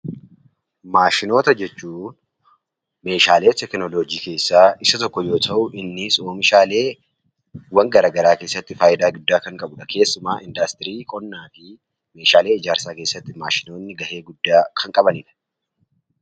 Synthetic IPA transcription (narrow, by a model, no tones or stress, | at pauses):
maːʃɪno̞ːt̪ɐd͡ʒɛt͡ʃːuː | me̞ːʃaːle̞ːt̪ɛknɔloːd͡ʒiːke̞ːsːaːɪsɐt̪ɔkːɔjo̞ːt̪ʰɐʔʊʔɪnːɪsoːmɪʃaːle̞ː | wɐŋɡɐɾaːɡɐɾaːke̞ːsːɐt̪ːɪfaːjɪd̪aːɡʊd̪ːaːkɐŋkʼɐbʊᶑɐke̞ːsːʊmaːʔɪnd̪ɐst̪ɪɾiːkʼɔnːaːfɪ | me̞ːʃaːle̞ːɪd͡ʒaːɾsaːke̞ːsːɐt̪ːɪma̰ːʃɪno̞ːnːɪɡɐhe̞ːɡʊd̪ːaːkʰɐŋkʼɐbɐnɪᶑɐ̥